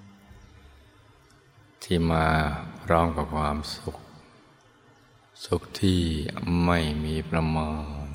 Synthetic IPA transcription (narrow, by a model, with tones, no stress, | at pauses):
t̪ʰiː˧˩maː˧ɾɔː˧˩ŋka˧˩pkʰwaː˧m˩k̚ | su˨˩k̚t̪ʰiː˥˩ma˥˩jmiː˧pʰɾa˧mɔː˧ŋŋ